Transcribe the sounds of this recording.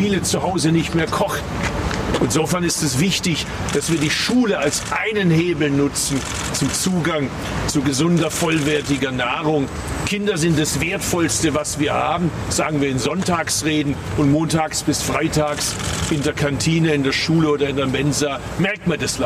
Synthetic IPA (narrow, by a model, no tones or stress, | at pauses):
fiːlət͡suhaʊzənɪçtmeːɐkʰɔχtn̩ʔɪnzoːfɛɐnɪstɛsv̥ɪçtɪç | d̥asv̥iːɐdiːʃuːləalsʔaɪnənheːbl̩nʊt͡sn̩ | t͡sʊmt͡suːɡaŋ | t͡suɡəzʊndɐfɔlvɛɐtɪɡɐnaːʁʊŋ | kʰɪndɐzɪnt̚d̥asv̥eːɐtfɔlstəvasv̥iːɐhaːbm̩ | z̥aːɡŋ̩viːɐɪnzɔntaːksʁeːdn̩ | ʊntmoːntaːksb̥ɪsfʁ̥aɪtʰaːksʔɪndeːɐkʰantʰiːnəɪndeːɐʃuːləoːdɐɪndeɐmɛnzaː | mɛɐk̚tmandasl